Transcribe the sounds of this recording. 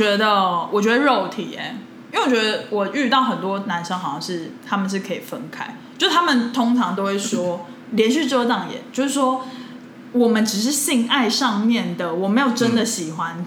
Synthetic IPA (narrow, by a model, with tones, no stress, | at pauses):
t͡ɕɥɛ˧˥d̪ə˧wɔ˨˩t͡ɕɥɛ˧˥d̪ə˧ɻo˥˩ʊt̪ʰḭ˨˩ɛ̰˧˦ | wwt͡ɕɥʲɛ˦˥d̪ə˧wɔ˨˩ʔy˥˧t̪ɑ˥˩ʊxə˨˩nt̪wɔ˦na˧˦nʂɤ˧˥ŋxɑ˨˩ʊɕjɑ˥˧ŋʂɻ̩˥˩t̪ʰa˥mə˨nʂ̬ɻ̩˥˩kʰɤ˧˥i˨˩fə˦nkʰa˥ɪ | o˥ʊ˥˩t̪ʰa˥mə˨nt̪ʰo˥ŋʈ͡ʂʰɑ˧˦ŋt̪o˥ʊwe˥˩ɪʂwɔ˥ | ljɛ˧˥nɕy˥˧ʈ͡ʂ̩˥˧t̪ɑ˥˩ŋjɛ̰˨˦t͡ɕjo˥˧ʊʂɻ̩˥˩ʂwɔ˥ | wɔ˨˩mə˨˦nʈ͡ʂɻ̩˨˩ʂ̬ɻ̩˥˧ɕi˥˧ŋa˥˧ɪʂɑ˥˧ŋmjɛ˥˨nd̪ə˩wɔ˨˩me˧˥ɪjo˨˩ʊʈ͡ʂə˦nd̪ə˨ɕi˨˩xwa˦n